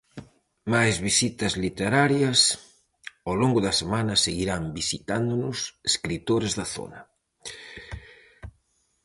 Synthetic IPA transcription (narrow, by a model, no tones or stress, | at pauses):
majzβisit̪ɐzlit̪eɾaɾjɐs | awloŋɡʊðɐsemanɐseɣiɾambisit̪and̪ʊnʊseskɾit̪oɾezðɐθo̰nɐ